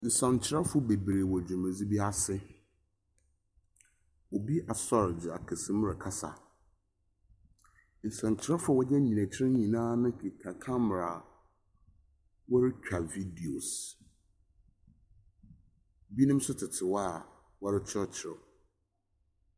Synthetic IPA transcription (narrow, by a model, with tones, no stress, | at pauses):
n̩˨sã˨ɲ˨t͡ɕʰɪ˨ɾa˦fʊ˦be˨bɾe˨wɔ˨d͡ʑu˨mæ̃˨d͡zi˦bi˦a˦sɪ˦ | o˨bi˦ʔa˨sɔ˦ɾd͡ʑɪ˨a̰˨kʰɪ˨sɪ̃˦m˦ɾɪ˨kʰa˦sa̰˨ | n̩˨sã˨ɲ˨t͡ɕʰɪ˨ɾa˦fʊ˦ɔ˨wɔ˦jɛ˦ɲĩ˨næ̃˨t͡ɕʰɪ˦ɪ̃˦ɲĩ˨nãː˦nʊ̃˦˨kʰa˨kʰã˦m˨ɾa˨ | wɔ˦ɾɪ˦t͡ɕᶣʰa˨vi˦di˨o˨s | bi˦nʊ̃˦m˦sʊ˦tʰɪ˨tʰɪ˨wɔ˦a˨ | wɔ˦ɾɪ˦t͡ɕʰɪ˦ɔ˦t͡ɕʰɪ˨ɾɔ̰˨